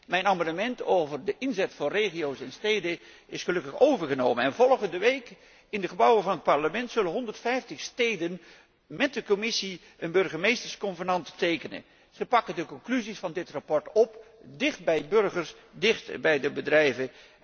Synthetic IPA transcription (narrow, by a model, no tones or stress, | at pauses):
mɛjnamɑnəmɛntowvərdəʔɪnzɛtfʊrejχijowsɛnstejdə | ɪsχəlɵkəχowvəɹχənowmənɛnvɔlˠχəndəʋejk | ɪndəχəbʌwəvɑnət̚pɑɹləmɛntsɵlənɦɔndəɹtfɛjftəχstejdən | mɛt̚dəkomɪsi | ənbɵɹχəmejstəɹskɔnvəɹnɑntətejkənə̰ | z̥əpɑkədəkɔŋklyzisfɑndɪtrapɔɹtɔpdɪχt̚bɛjbɵrχəɹs | dɪχtbɛjdəbədrɛjvə